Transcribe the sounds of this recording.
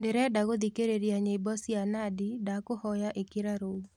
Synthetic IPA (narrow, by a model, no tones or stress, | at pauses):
dɪɾɛdaɡod̪ikeɾeɾjaɲebɔsianadɪdakohɔjaʔekɪɾaɾo